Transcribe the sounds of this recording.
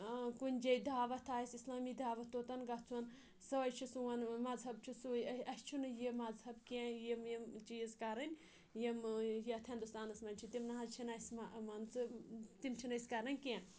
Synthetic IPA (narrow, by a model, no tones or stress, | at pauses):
kunʲd͡ʒɐjd̪aːʋɐt̪ʰaːjisʲislaːmiːd̪aːʋɐt̪ːot̪ɐnɡɐt͡sʰuwɐn | sɐʋɐjt͡ʃʰisuʋɐnmɐzɦɐb̚t͡ʃʰusujɐɐst͡ʃʰunɨjemɐzhɐbkẽjemjemt͡ʃizkɐɾɐnʲ | jemjɐt̪ʰʲĩnd̪ust̪aːnɐsmɐnʲt͡ʃʰit̪imnaɦɐzt͡ʃʰinɐsʲmɐmɐnt͡sʰɨt̪imt͡ʃʰinɐsʲkɐɾɐnʲkʲẽ